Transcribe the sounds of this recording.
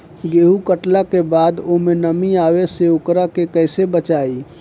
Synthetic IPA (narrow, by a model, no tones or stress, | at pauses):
ɡeːɦukəʈlakebad̪omenəmiaweseokɾakekəɦsebət͡ʃai